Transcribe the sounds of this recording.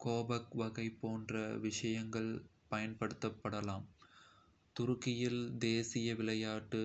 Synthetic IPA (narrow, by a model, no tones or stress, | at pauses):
koːbɐkʋɐɣɐɪpːoːndrɐʋɪʂɐjɐŋɡɐɭpɐjɐnpɐɽɯt̪ːɐpːɐɽɐlaːm | t̪ʊɾʊkːɪjɪld̪eːsɪjɐʋɪɭɐjaːʈːɯ